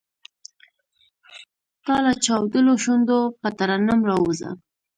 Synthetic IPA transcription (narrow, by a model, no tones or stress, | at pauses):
t̪ɑlat͡ʃɑwd̪əloʃund̪opət̪aɾanamɾɑwuza̰